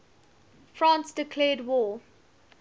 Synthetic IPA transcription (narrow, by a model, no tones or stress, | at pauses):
fɹãːnsd̥ɪkʰlɛːdwɔː